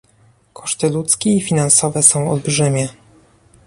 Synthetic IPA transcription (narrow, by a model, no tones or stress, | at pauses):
kʰɔ̥ʂt̪ɘlut̪skʲɛifʲinansɔvɛsɔ̃w̃ɔ̰lbʐɘmʲjɛ